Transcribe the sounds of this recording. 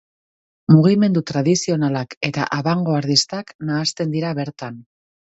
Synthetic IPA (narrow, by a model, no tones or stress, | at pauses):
muɣime̞nd̪ut̪ɾað̞isio̞nalake̞t̪a̰ʔaβaŋɡo̞aɾðist̪aknaːst̪e̞nd̪iɾaβe̞ɾt̪an